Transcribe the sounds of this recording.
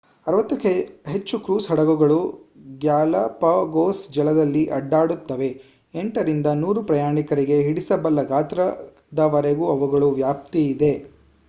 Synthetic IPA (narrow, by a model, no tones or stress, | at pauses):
ɐɾʋɐt̪ːɐkeɦet͡ʃːukɾuːsɦɐɽɐɡuɡɐɭuɡjaːlɐpɐɡoːsd͡ʒɛlɐd̪ɐlːiʔɐɖːaːɽut̪ːɐʋe̞ | eɳʈɐɾind̪ɐnuːɾupɾɐjaːɳikɐɾiɡe̞ɦiɽisɐbɐlːɐɡaːt̪ɾɐ | d̪ɐʋɐɾeɡuɐʋuɡɐɭuʋjaːp̚t̪iːd̪e̞